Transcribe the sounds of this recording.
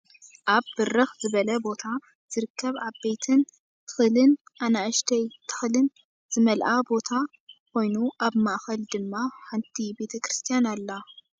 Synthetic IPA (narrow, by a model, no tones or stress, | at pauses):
ʔaβbɨrɨxzɨβɐlɐbo̞t̪ʰa | z̥ɨɾɨkʰːɐβaβbe̞jt̪ʰɨn | t̪ʰɨ̥xɨlɨnʔanaʔʃt̪ʰɐjt̪ʰɨ̥xlɨn | z̥ɨmɐlʔabo̞t̪ʰa | kʰo̞jnuʔaβmaʔxɐld̪ɨmːaħant̪ʰibe̞t̪ʰɐkɾɨst̪ʰijanalːɐ